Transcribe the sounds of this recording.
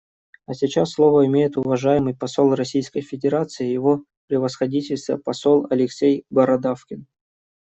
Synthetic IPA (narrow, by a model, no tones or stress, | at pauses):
ɐsʲɪt͡ɕasːlˠovəɪmʲejɪt̪ʊvɐʐajɪmɨjpɐsolˠrɐsʲijskəjfʲɪdʲɪɾat̪sɨɪjɪvo | pɾʲɪvəsxɐdʲitʲɪlʲst̪ə̰pɐsolˠɐ̰lʲɪksʲejbəɾɐd̪afkʲɪn